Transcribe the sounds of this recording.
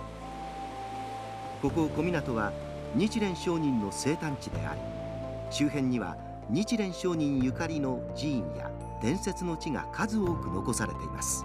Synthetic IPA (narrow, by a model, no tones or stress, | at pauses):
ko̞ko̞ko̞mʲinat̪o̞βa | ɲ̟it͡ɕiɾẽ̞ɰ̃ɕo̞ːɲ̟ĩnːo̞se̞ːt̪ãɲ̟t͡ɕid̪e̞̰a̰ɾʲḭ | ɕɨːɦẽ̞ɲ̟ːiβa̰ | ɲ̟it͡ɕiɾẽ̞ɰ̃ɕo̞ːɲĩɰ̃jɯkaɾʲino̞ | d͡ʑĩːɰja̰ | d̪̥ẽ̞ɰ̃se̞t͡sɨno̞t͡ɕiŋa̰kʰazɨoːkɯ̟no̞ko̞saɾe̞t̪e̞ḭmasɨ̥